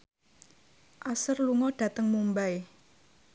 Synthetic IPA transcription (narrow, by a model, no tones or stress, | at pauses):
ʔasərluŋɔɖ̥ä̤t̪əŋmumbaj